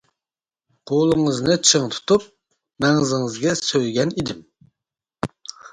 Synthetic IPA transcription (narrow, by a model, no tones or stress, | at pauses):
qʰolˠɨŋɨznɨt͡ʃʰɨŋt̪ʰu̥t̪ʰup̚ | mɛŋɨzɪŋɨzɡʲɛsøjɡʲɛnid̪ɪm